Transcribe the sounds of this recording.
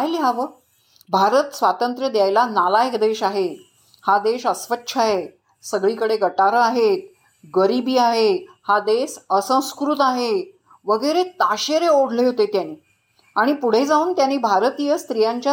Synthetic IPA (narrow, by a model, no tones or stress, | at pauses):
ajlɦaʋə | bʱaɾət̪sʋat̪ənt̪ɾəd̪jajlanalajəkd̪eɕaɦe | had̪eɕəsʋətːɕʰaɦe | səɡɭiːkəɽeɡʱəʈaɾəaɦet̪ | ɡəɾibiːaɦehad̪esəsə̃w̃skɾut̪aɦe | ʋəɡəjɾet̪aɕeɾeoɽ̤ʱleɦot̪et̪janiː | aɽ̃ipuɽ̤ed͡zauːnt̪janːiːbʱaɾət̪ijəst̪ɾijaɲt͡ɕja